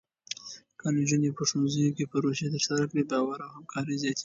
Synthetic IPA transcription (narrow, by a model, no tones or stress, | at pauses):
kand͡ʒunepəʂonzəjokepəɾoʃet̪əɾsaɾakɽebɑwaɾawhamkʰɑɾəzjɑt̪